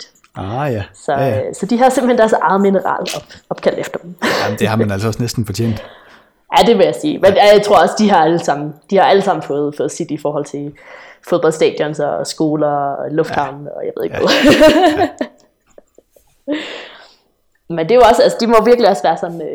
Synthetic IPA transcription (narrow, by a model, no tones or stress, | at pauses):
d̥ | ɑæsɒ̽sɒ̽d̥iɦɑ̈se̝mb̥̩hend̥æɐsɑ̈ɪð̞̩ˠminəʁɑ̰̈ːlɒb̥ɒ̽b̥kʰæl̰d̥efd̥ɐd̥m̩nd̥eɦɑ̈mænælsɒ̽snesd̥n̩fɒt͡ɕʰḛn̰d̥ | jæd̥e̝ʋe̝jasiːmenjæjaɪt͡sʰʁo̝ɐ̰ɒ̽səd̥iɦɑ̈æləsɑ̈m̰n̩d̥ihɑ̈æləsɑ̈m̰n̩fɔ̽ːð̞̩ˠfɔ̽ːð̞̩ˠsid̥ifɒːɦɒ̽l̰t͡sʰe̝lfo̝ðˠb̥ɒ̽l̰sd̥ɛ̰ːd̥jɒ̽nsɒsɡ̥o̝ːlɐlɔ̽fd̥hɑ̈ʊ̰nɒjɑɪʋe̝ð̰ˠeɡʋɛðˠ | mend̥e̝joɒ̽sælsəd̥imɒʋiɐɡ̥liɒsʋæːɐsɒ̽nn̩